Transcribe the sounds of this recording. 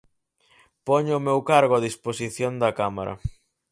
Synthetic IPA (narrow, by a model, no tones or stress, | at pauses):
pɔɲʊmewkaɾɣʊaðisposiθjond̪ɐkamaɾɐ̰